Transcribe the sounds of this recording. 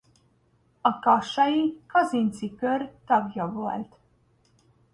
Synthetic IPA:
ɒkɒʃːɒjikɒzint̪sikørt̪ɒɡjɒvo̰lt̪

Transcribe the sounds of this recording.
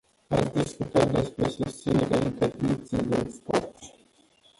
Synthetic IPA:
at̪sʲd̪iskut̪at̪̚d̪e̞spɾe̞sust̪sineɾeaint̪erd̪it̪sijd̪espo̰rt̪

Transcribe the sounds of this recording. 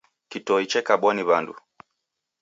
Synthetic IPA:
kitɔit͡ʃɛkaɓwaniβandṵ

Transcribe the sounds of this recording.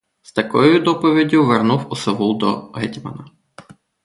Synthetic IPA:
st̪ɐkɔjʊd̪ɔpɔʋʲidʲʊʋernuwʊseʋulˠd̪ɔ̰ɦɛtʲmɐ̰nɐ

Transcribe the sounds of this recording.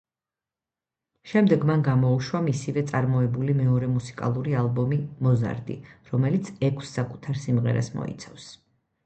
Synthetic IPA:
ʃɛmd̪ɛɡmanɡamɔuʃwamisivɛt̪sʼaɾmɔɛbulimɛɔɾɛmusi̥kʼa̰lˠuɾialˠbɔmimɔza̰ɾd̪ḭɾɔmɛlit̪sʰɛkʰsːakʼu̥t̪ʰaɾsimʁɛ̰ɾa̰smɔ̰ḭt̪sʰa̰fs

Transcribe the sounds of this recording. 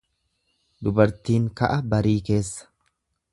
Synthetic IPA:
d̪ʊbɐɾt̪iːŋkɐʔɐbɐɾiːke̞ːsːɐ̥

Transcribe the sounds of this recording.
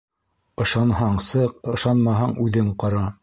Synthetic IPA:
ɤ̆ʃɑnhɑɴsɤqɤ̆ʃɑnmɑɦɑɴʉðɘɴqɑɾɑ

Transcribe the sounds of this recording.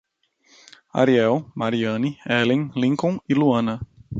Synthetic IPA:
a̰ɾiɛwmaɾiɐ̃niɛlẽj̃lĩkõw̃ɪluɐ̃nɐ

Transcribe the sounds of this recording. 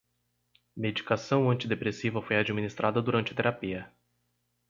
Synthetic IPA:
med͡ʒikasɐ̃w̃ɐ̃nt͡ʃid̪epɾesivɐfojad͡ʒiminist̪ɾʔad̪ɐd̪uɾɐ̃nt͡ʃɪt̪eɾapiɐ

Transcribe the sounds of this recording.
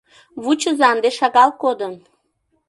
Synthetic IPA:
βut͡ɕə̆zɑnd̪eʃɑɣɑlˠkod̪ən

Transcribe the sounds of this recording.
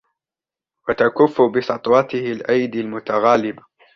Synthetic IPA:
wat̪akʊfːʊbɪsɑt̪ˤwɑt̪ɪhɪlʔajd̪almʊt̪aɣaːlɪba

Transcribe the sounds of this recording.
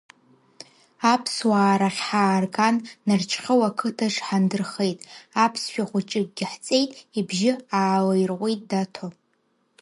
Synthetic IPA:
apʰswaːɾaχʲħaːrɡʼanːart͡ʃʰχʲəwakʰɨtʰaʂħandɨrχe̞jtʼapʰsʃᶣaχʷʊt͡ʃʼɨk̚ʼɡʲɪħt͡sʼe̞jtʼibʒɪaːlajrʁʷijtʼdatʰo

